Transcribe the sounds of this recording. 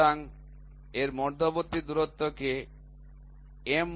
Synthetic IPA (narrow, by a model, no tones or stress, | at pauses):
aŋ | eɾmɔɾd̪ʱobot̪ːid̪uɾot̪ːoke | em